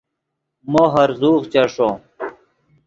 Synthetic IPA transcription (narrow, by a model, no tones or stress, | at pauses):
moɦɐɾzuːɣt͡ɕɐʂo